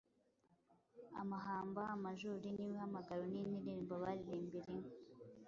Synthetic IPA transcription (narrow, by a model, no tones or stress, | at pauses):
a̰maɦaːmbaːmaʒuɾiniːwihamaɡaɾoniniɾiːmboβaɾiɾiːmbiɾeŋo